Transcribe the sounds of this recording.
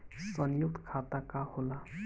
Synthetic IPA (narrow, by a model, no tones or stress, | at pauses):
sʌnjuk̚t̪kʰat̪akahola